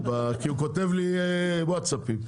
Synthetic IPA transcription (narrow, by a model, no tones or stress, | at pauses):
bakiukot̪evliwat̪sapim